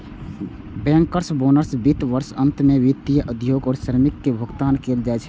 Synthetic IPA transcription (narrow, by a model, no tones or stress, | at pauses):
bɛːŋkəɾsboːnəɾsbit̪ʋəɾsə̃nt̪meʋit̪ːijəʔəd̪ʱjoːɡɔːɾʃəɾmɪkːebʱəɡt̪aːnkeːld͡ʒaɛt͡ʃʰɛ